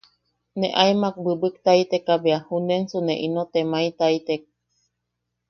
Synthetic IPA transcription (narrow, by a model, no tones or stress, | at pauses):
nḛʔaimak̚bɨbɨk̚t̪ait̪ekabeahunensuneʔinot̪emait̪ait̪ek̚